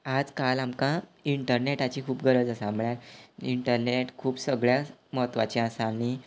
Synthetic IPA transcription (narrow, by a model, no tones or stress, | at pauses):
ad͡zkalamkãiɳʈəɾneʈat͡ɕiːkʰuːp̚ɡʱəɾəd͡zəsãmɭjaɾiɳʈəɾneʈkʰuːpsəɡɭjaməɦət̪ʋat͡ɕiasañi